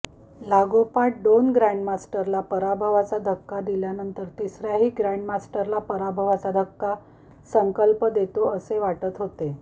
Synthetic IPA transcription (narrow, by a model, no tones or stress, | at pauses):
laɡopaʈ̚ɖonɡɾajɳɖmasʈəɾlapəɾabʱəʋat͡sad̪ʱəkːad̪iljanənt̪əɾt̪isɾjaɦiːɡɾajɳɖmasʈəɾlapəɾabʱəʋat͡sad̪ʱəkːa | səŋkəlpəd̪et̪oəseʋaʈət̪ɦot̪e